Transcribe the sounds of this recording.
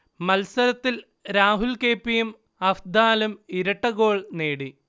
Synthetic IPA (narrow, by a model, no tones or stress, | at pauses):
mɐlsɐɾɐt̪ːil | ɾaːɦulkeːpːijum | ɐfd̪aːlumiɾɐʈːɐɣo̞ːɭneːɽi